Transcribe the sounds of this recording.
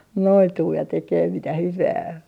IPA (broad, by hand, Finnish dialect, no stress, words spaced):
noituː jɑ tekeː mitæ hyʋæː